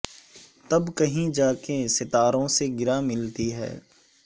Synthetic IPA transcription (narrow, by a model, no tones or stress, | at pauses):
t̪ɐbkɐɦĩd͡ʒaːkesɪt̪aːɾõseɡɪɾamɪlt̪iɦɛ̰ː